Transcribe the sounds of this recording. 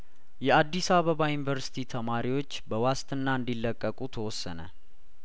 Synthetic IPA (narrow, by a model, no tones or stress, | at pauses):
jɛad̪ːisaβəβajunivəɾsi̥t̪ʰit̪ʰəmaɾiwo̞t͡ʃːbəwast̪ɨnːaɨnd̪ilːəkʼːəkʼut̪ʰəwɔsːənə̰